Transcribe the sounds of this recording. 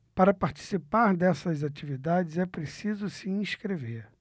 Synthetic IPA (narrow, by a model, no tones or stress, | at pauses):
paɾɐpaɾt͡ʃi̥sipaɾd̪ɛsɐzat͡ʃivid̪ad͡ʒɪzɛpɾesizʊsiĩskɾeveɾ